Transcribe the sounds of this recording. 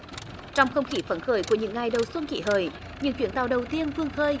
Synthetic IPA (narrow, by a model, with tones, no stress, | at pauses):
t͡ɕɔ˧wŋ͡mxə˧wŋ͡mxi˧˦fə˧˩nxəː˧˩jku˧˩əɲɨ̰˧˥ŋːa˨˩jɗə˨˩wswə˧nkḭ˧˨˩ɦəː˧˩j | ɲɨ̰˧˥ŋt͡ɕwi˧˩ənt̪a˨˩wɗə˨˩wt̪i˧ənfɨ˧əŋxəː˧j